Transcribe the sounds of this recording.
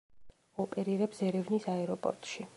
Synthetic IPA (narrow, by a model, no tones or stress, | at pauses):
ɔpʼɛɾiɾɛpsɛɾɛvnisaɛɾɔpʼɔ̰ɾt̪ʼʃi